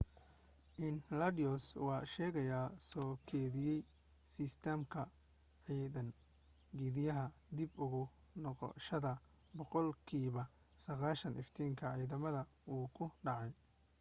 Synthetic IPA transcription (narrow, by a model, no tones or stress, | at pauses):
ʔɪnlɐdiɔswɑːʃɛːɣɐjaːsɔːkʰɛːðɪjɛj | sist̪ʰɛmkʰɐ | ʕiːðɐn | ɡiðɪjɐɦɐd̪ibʊɣʊ | nɔqɔ̰ʃɐðɐ | bɔqɔlkʰiːβɐ | sɐɣaːʃɐnʔɪft̪ʰiːŋkʰɐʕiːðɐmɐðɐ | uːkʰʊɖɑʕɑj